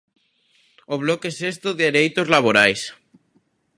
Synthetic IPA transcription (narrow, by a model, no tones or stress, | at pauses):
oβ̞lokesest̪oðeeɾejt̪ozlaβoɾajs